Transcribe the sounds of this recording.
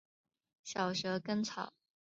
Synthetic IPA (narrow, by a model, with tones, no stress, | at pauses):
ɕjɑ˨˩ʊʂɤ˧˥kə˥nt͡sʰɑ˨˩˦ʊ